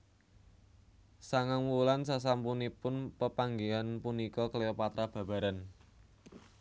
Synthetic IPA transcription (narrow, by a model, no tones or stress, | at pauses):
saŋaŋwulansas̬ampunipʊnpəpaŋɡeanpunikɔklejɔpat̪ɾab̥ä̤b̥a̤ɾan